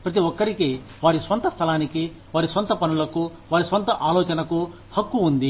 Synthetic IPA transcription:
pɾɐt̪̬iʋɔkːɐɾike | ʋaːɾisʋɐnt̪ɐst̪ʰɐlaːniki | ʋaːɾisʋɐnt̪ɐpɐnulɐkuʋaːɾisʋɐnt̪ɐʔaːlɔːt͡ʃɐnɐku | hɐkːuːnd̪i

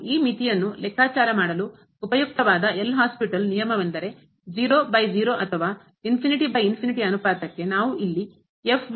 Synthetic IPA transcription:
iːmit̪ijɐnːulɛkʰaːt͡ʃaːɾɐmaːɽɐlu | upɐjuk̚t̪ɐʋaːd̪ɐʔelːɐɦaːspiʈɐlnijɐmɐʋɐnd̪ɐɾe̞ | d͡ʒiːɾoːbɐjd͡ʒiːɾo̞ːʔɐt̪ʰɐʋaː | inpʰiniʈibɐjinpʰiniʈiɐnupaːt̪ɐkːe̞naːʋuʔilːi | epʰ

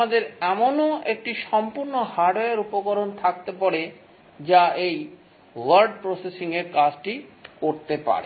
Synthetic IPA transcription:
ad̪eɾɛmonoek̚ʈiʃɔmpuɾnohaɖoeɾupokoɾont̪ʰak̚t̪epɔɾe | d͡ʑaʔej | waɾɖ̚pɾosesiŋeɾkad͡ʑʈikoɾt̪epa̰ɾḛ

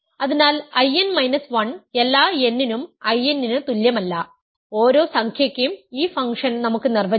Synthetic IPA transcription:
ɐðinaːlɐjenmɐjnɐsʋɐne̞lːaːe̞nːinumɐjenːinɨt̪uljɐmɐlːɐ | o̞ːɾo̞ːsɐŋkʰjɐkʲːejumiːfɐŋkʂɐnnɐmukːɨnirʋɐ

